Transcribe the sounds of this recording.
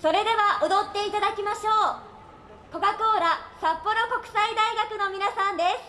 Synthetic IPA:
so̞ɾe̞d̪e̞βaʔod̪o̞t̪ːe̞it̪ad̪akʲimaɕo̞ː | ko̞ɡako̞ːɾasapːo̞ɾo̞ko̞kɯ̟̥said̪aiɡakɯ̟no̞mʲinasãnd̪e̞sɨ̥

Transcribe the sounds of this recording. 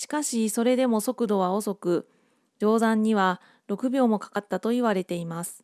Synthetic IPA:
ɕi̥kaɕiso̞ɾe̞d̪e̞mo̞so̞kɯ̟d̪o̞βao̞so̞kɯ̟ | d͡ʑo̞ːzãɲ̟ːiβa | ɾo̞kɯ̟bʲo̞ːmo̞kḁkat̪ːat̪o̞iβaɾe̞t̪e̞imasɨ̥

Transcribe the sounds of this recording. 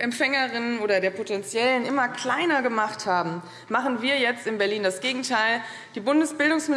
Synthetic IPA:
ʔɛmpfɛŋəʁɪnənoːɾɐdeːɐpʰotɛnt͡sjɛlənʔɪmɐkl̥aɪnɐɡəmaχthaːbm̩ | maχn̩viːɐjɛt͡stɪnbɛɐliːndasɡ̥eːɡŋ̩tʰaɪl | d̥iːbʊndəsb̥ɪldʊŋsmɪ

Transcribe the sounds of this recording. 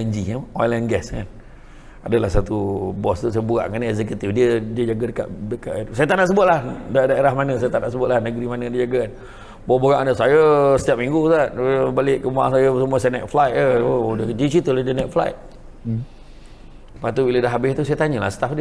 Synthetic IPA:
ɛnd͡ʒiəɔjlɛnɡɛskan | adəlahsat̪ubɔst̪usajəbuɣa̰ʔkanəɛz̬ɛk̬jut̪ifdiədiəd͡ʒaɡədəka̰ʔdəka̰ʔt̪sajət̪aʔnaʔs̬əbʊt̪̚lahdadaeɾahmanəsajət̪anaʔsəbʊt̪̚lahnəɡɾimanədiəd͡ʒaɡaan | bɔbəɣaʔnəsajəsə̥t̪ijap̚miŋɡutaʔbalɪʔkəmua̰ŋsajəsəmuasanɛʔ̚flajt̪əodəd͡ʒit͡ʃit̪əladənɛʔ̚fla̰jt̪̚ | pat̪ubilədaɦabɪst̪usajət̪aɲəlahsə̥t̪afdə

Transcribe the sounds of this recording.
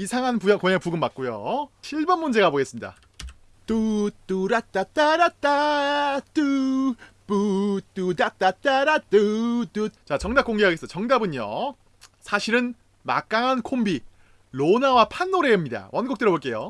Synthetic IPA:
isʰaŋɦanpujakoɲapuɡɯmːak̚k͈ujo̰ɕʰiɭbʌnmːund͡ʑe̞ɡaboɡe̞s͈ɯmɲida̰ | tut͈uɾat͈at͈aɾat͈a | tɯ | put͈ːudat͈at͈aɾat͈ɯtut͡ɕat͡ɕʌŋdap̚k͈oŋɡekʰaɡesʌt͡ɕʌŋdabɯɲo̰ | sʰaɕʰiɾɯn | ma̰k͈aŋɦankʰombi | lonawapʰanːoɾe̞ɯmɲida̰wʔʌnɡok̚t͈eɾoboɭk͈e̞jo

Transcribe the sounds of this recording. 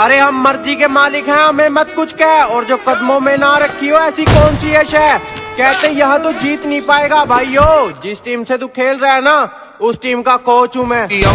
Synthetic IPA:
ɐɾeɦɐmːɐɾzikemaːlɪkɦɛ̃ɦɐmẽmɐt̪kʊt͡ʃʰkɛːɔːɾd͡ʒoːkəd̪mõmẽnaɾɐkʰːioɛːsikɔːnsieʃɛːkɛːt̪ẽjɐɦãt̪od͡ʒiːt̪nəɦĩpaːeːɡaːbʱaːioːd͡ʒɪsʈiːmset̪okʰeːlɾɛɦnaː | ʊsʈiːmkakoːt͡ʃɦũmɛ̃ː

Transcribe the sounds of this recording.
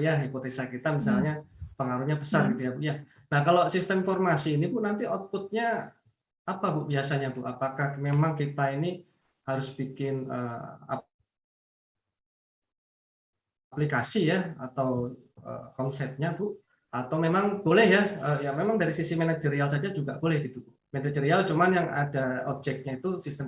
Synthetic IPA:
jaɦipot̪esakit̪amisalɲapəŋaɾuhɲabəsarɡit̪ujabuʔja | nahkalosist̪əmfɔrmasiːnibʊnant̪iɔt̪̚pʊt̪̚ɲa | apabʊʔbiasaɲat̪ʊʔapakahmemaŋkit̪aini | haɾʊsb̥ikɪnə̰ːa̰ | aplikasijaa̰t̪awə̰kɔnsɛt̪̚ɲabʊʔ | at̪awmemaŋb̥olɛhjaəjamemaŋdaɾisisimenad͡ʒəɾialsad͡ʒad͡ʒuɡaʔb̥olɛhɡit̪upʊ | menad͡ʒəɾialt͡ʃumanjaŋʔa̰daɔb̚d͡ʒɛk̚t̪̚ɲait̪usist̪ə

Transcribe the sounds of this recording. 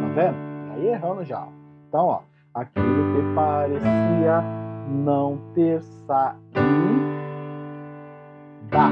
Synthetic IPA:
ɐ̃vẽnʊa̰ieɦɐ̃nʊʒa̰ẽt̪ɐ̃w̃ɔ̰ | akilʊkepaɾesiɐnɐ̃w̃t̪eɾsai | d̪a

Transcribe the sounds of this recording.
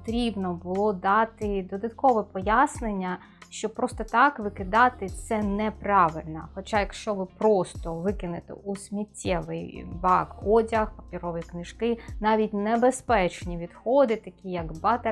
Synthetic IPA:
t̪ɾʲibnɔbʊlˠɔd̪ɑt̪ɪd̪ɔd̪ɐt̪kɔʋɛpɔjasnenʲːɐ | ʃt͡ʃɔpɾɔst̪ɔt̪ɑkʋɪkɪd̪ɑt̪ɪt̪sɛnɛprɑʋɪlʲnɐxɔt͡ʃajɐkʃt͡ʃɔʋɪpɾɔst̪ɔʋɪkɪnɪt̪ɛ̰ʔusʲmʲitʲːɛʋɪ̰jbɑɡɦɔdʲɐxpɐpʲiɾɔʋɔjiknɪʃkɪnɑʋʲitʲnebespɛt͡ʃnʲiʋʲid̪xɔd̪ɪt̪ɐkʲijɐɡbɑt̪e

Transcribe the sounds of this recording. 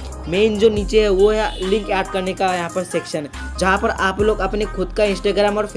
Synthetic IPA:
meːnd͡ʒoːniːt͡ʃeɦɛʋoɦɛlɪ̃ŋkaːɖ̚kɐɾnekajɐɦãpɐɾseːkʃənɦɛ | d͡ʒɐɦãpɐɾaːploːɡɐpnekʰʊd̪kaɪ̃nsʈaːɡɾaːmɔːɾf

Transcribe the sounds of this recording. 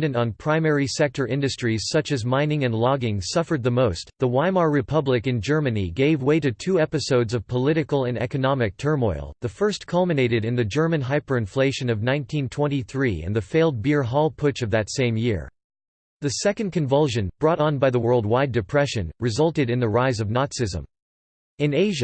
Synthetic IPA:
dɨ̃ntn̩pʰɹ̥ãɪ̃mɛɹisɛk̚tʰə˞ʔɪ̃ndɨstɹ̥iz̥sʌt͡ʃɨzmãɪ̃nɪ̃ŋɨ̃nˡlɑɡɪ̃ŋsʌfə˞d̪̚ðəmoʊstðəwãɪmɑɹɹɨpʰʌblɨkɨ̃nd͡ʒɜ˞mɨniɡeɪvweɪɾɨtʰʉɛpɨsoʊdzʌv̥pʰəlɪɾɨkl̩ˠɨ̃nɛ̰kɨnɑmɨk̚tʰɜ̃˞mɔ̰ɪlˠðɨfɜ˞skʰʌlˠmɨneɪɾɨɾɨ̃nðɨd͡ʒɜ˞mɨ̃nɦaɪpə˞ɨ̃ɱfleɪʃɨ̃nʌvnãɪ̃ntʰĩntʰw̥ɛ̃ñiθɹiɨ̰̃nðɨfeɪlˠd̚bɪɹɦɔlˠpʰʊt͡ʃʌvðɨtsẽɪ̃mjɪɹ | ðɨsɛkɨ̃n̩̚kʰɨ̃ɱvʌlˠʃɨ̃nb̥ɹɔɾn̩baɪðəwɜ˞lˠd̚waɪdɨpʰɹ̥ɛʃɨ̰̃nɹɨzʌlˠtɨɾɨ̃nðɨɹaɪzʌvnɑtsɨzə̰̃m | ɨ̃neɪʒɨ

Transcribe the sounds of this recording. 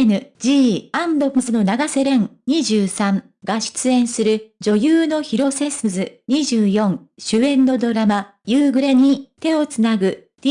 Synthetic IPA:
nɯ̟d͡ʑiːãnd̪o̞mɯzɨno̞naɡase̞ɾẽ̞ŋɲ̟iʑɨːsãŋ | ɡaɕi̥t͡sɨẽ̞ɰ̃sɨɾɯ̟d͡ʑo̞jɯːno̞çiɾo̞se̞sɯzɨɲ̟iʑɨːjõ̞ŋɕɨẽ̞nːo̞d̪o̞ɾama | jɯːɡɯ̟ɾe̞ɲ̟it̪e̞o̞t͡sɨnaɡɯ̟ | d̥̪ʲ

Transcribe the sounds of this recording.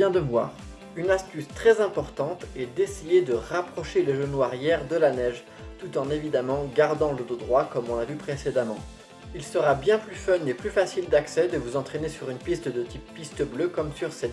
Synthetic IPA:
jɛ̃d̪əvwa̰ːʁ | ynast̪yst̪χɛzɛ̃pɔʁt̪ɑ̃t̪ɛd̪esejed̪əʁapχɔʃeleʒənwaʁjɛʁd̪əlanɛʒ | t̪ut̪ɑ̃nevid̪amɑ̃ɡaʁd̪ɑ̃ləd̪od̪ʁwakɔmɔ̃navypχesed̪amɑ̰̃ | ilsəʁabjɛ̃plyfœneplyfasild̪aksɛd̪əvuzɑ̃t̪χenesyʁynpist̪d̪ət̪ipːist̪əbløkɔmsyʁsɛt̪

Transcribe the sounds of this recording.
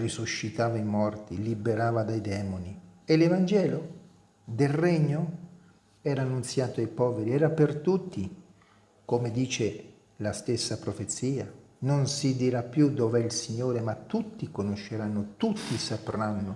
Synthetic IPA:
risuʃːit̪aːvaimɔrt̪ilibeɾaːvad̪ajd̪ɛːmonielevand͡ʒɛːlo | d̪elreɲːo | ɛːɾaːnːunt̪sjaːt̪oajpɔːveɾiɛːɾapert̪ut̪ːi | komed̪iːt͡ʃe | last̪esːapɾofet̪sːiːa | nonsid̪iɾapːjud̪ovɛilsiɲːoːɾemat̪ːut̪ːikonoʃːeɾanːot̪ut̪ːisapɾanːo

